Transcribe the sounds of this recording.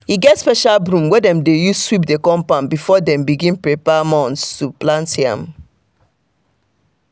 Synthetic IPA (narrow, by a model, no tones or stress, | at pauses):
hiɡɛtspɛʃalbɹũmwɛdɛ̃mdejusswip̚dekɔ̃mpãnbifɔdɛ̃mbiɡĩnpɹepamɔ̃nθstuplãntiã̰m